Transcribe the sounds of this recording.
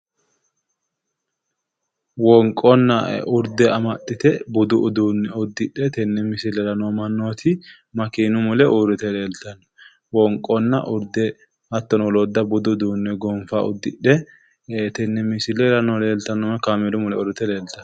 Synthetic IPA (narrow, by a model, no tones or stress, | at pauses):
wɔŋkʼːɔnːɐʊɾd̪ɛɐmɐt̪ːɪt̪ɛbʊd̪ʊʔʊd̪uːnːɛʊd̪ːɪɗɛt̪ɛnːɛmɪsɪlɛlɐnɔmɐnːoːt̪ʰɪ | mɐkiːnʊmʊlɛʔʊɾʊt̪ɛle̞ːlt̪ɐnːɔ̥ | wɔŋkʼːɔnːɐʔʊɾd̪ɛ | hɐt̪ːɔnɔlɔd̪ːɐbʊd̪ʊd̪uːnːɛɡɔnfaʊd̪ːɪɗɛ | t̪ɛnːɛmɪsɪlɛlɐnɔle̞ːlt̪ɐnːɔkamɛlʊmʊlɛʊɾʊt̪ɛle̞ːlt̪ɐn